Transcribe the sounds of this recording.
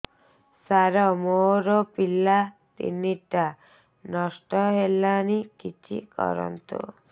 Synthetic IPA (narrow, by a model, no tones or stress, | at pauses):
saɾɔmoɾɔpilːa | t̪ḭnːiʈːa | nɔsʈɔɦelːanikit͡ʃʰḭkɔ̰ɾɔ̰nt̪ṵ